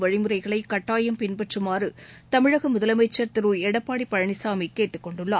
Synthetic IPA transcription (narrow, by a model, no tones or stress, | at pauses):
ʋɐɻɪmɯɾɐɪɣɐɭɐɪkɐʈːaːjɐmpɪnbɐʈrɯmaːɾɯt̪ɐmɪɻɐɣɐmʊðɐlɐmɐɪt͡ʃːɐɾt̪ɪɾɯɛɽɐpːaːɽipːɐɻɐɳɪsaːmikeːʈːɯkːɔɳɖɯɭːaː